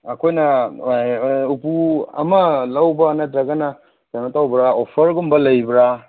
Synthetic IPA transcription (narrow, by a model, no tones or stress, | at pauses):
ɐkʰojnɐ | upuɐ̰mɐlawbɐːnadɾaɡana | d͡ʒanatawbɾaopʰɐɾɡumbɐlɐjbɾa